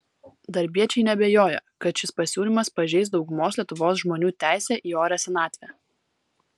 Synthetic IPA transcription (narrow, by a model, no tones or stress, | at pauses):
d̪ɐɾʲbʲiɛt͡ʃʲɛɪnʲɛbʲeːjoːjɛ̰kɐt̪ʃʲɪspɐsʲuːlʲɪmɐspɐʒʲɛɪs̬d̪ɒʊɡʊmoːslʲiɛt̪ʊʋoːsʒmoːnʲuːt̪ʲæˑɪsʲɛːʔiːoːɾʲɛsʲɛnɑːt̪ʲʋʲɛ